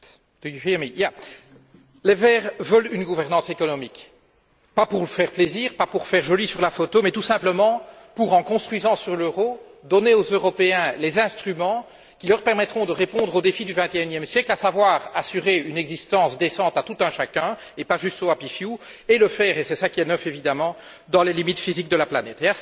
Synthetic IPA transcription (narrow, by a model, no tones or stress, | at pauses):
mija | levɛːʁvəlynɡuvɛʁnɑ̃sekɔnɔmik | papuʁləfɛːʁpleziːʁpapuʁfɛːʁʒɔlisyʁlafot̪omɛt̪usɛ̃pləmɑ̃ | puʁɑ̃kɔ̃st̪χwizɑ̃syʁløʁo | d̪ɔneozøʁɔpeɛ̃lɛzɛ̃st̪χymɑ̃ | kʲilœʁpɛʁmɛt̪χɔ̃d̪əʁepɔ̃d̪ʁod̪efid̪yvɛ̃t̪eynjɛmsjɛklasavwaːʁasyʁeynɛɡzist̪ɑ̃sd̪esɑ̃t̪at̪ut̪œ̃ʃakœ̃ | epaʒyst̪oapifju | eləfɛːʁesɛsakʲiɛnœfevid̪amɑ̃ | d̪ɑ̃lelimit̪fizik̚d̪əlaplanɛt̪ea